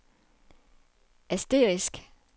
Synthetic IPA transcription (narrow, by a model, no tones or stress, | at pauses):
ʔæsd̥e̝̰ːʁisɡ̥